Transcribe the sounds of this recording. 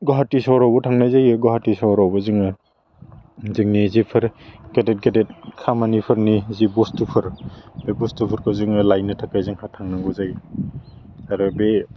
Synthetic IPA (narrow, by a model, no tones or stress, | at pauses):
ɡɔɦatisawɾawbɔtʰaŋnajzajɯɡɔɦatisawɾawbɐziŋɯ | ziŋnizipʰɯɾɡ̥adet̚ɡadet̚kʰamanipʰɯɾnizibɔstupʰɯɾbebɔstupʰɯɾkʰɔwzɯŋɯlajnɯtʰakajzɯŋhatʰaŋnaŋɡɔzaj | aɾɯbe